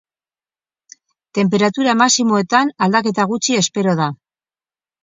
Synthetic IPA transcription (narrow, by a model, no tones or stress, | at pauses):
t̪e̞mp̬e̞ɾat̪uɾamasimo̞e̞t̪anald̪ake̞t̪aɣ̞ut͡ʃie̞spe̞ɾo̞ð̞a